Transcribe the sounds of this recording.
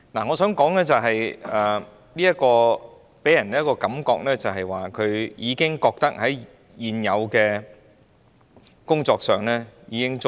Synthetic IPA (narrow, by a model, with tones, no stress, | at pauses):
na˨˩ŋɔː˨˧sœː˨˥ŋkɔː˨˥ŋlɛː˥t͡sɐ˨wɦɐ˨jɛː˨˩ | liː˥jɐ˥t̚kɔː˧ | pe˨˥jɐ˨˩nː˨˥jkːɔː˧kɐ˨˥mkɔ̰ː˧k̚lɛː˥t͡sɐ˨wɦɐ˨jwaː˨kʰɵ˨˧ɥjiː˨˧kɪ˥ŋkɔː˧k̚t̪ɐ˥k̚hɐ˨˥j | jiː˨njɐ˨˧wkɛː˧ | kʊ˥ŋt͡sɔː˧k̚sœː˨˩ŋlɛː˥jiː˨˧kɪ˥ŋt͡s